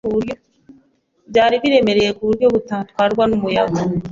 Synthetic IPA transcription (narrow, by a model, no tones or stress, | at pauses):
uɾjo | ɟaːɾiβiɾemeɾejekuɾjoβutat̪kaɾɡwanumujaɡo